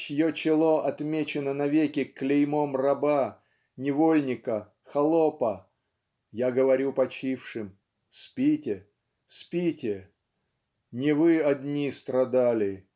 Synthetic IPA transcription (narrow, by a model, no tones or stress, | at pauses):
ɕjot͡ɕɪlˠoʔɐt̪mʲet͡ɕɪnənɐvʲekʲɪklʲɪjmomrɐba | nʲɪvolʲnʲɪkə | xɐlˠopə | jaɡəvɐɾʲupɐt͡ɕifʂɨm | spʲitʲɪ | spʲitʲɪ | nʲɪvɨɐdʲnʲist̪ɾɐd̪alʲɪ